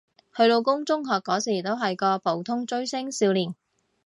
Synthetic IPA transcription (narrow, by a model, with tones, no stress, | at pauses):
hɵ˧ɥlo˧wkʊ˥ŋt͡sʊ˥ŋɦɔː˨kːɔː˨˥siː˨˩t̪o˥wɦɐ˨jkɔː˧pʰo˨˥wt̪ʰʊ˥ŋt͡ʃɵ˥ɥsɪ˥ŋsiː˧wliː˨˩n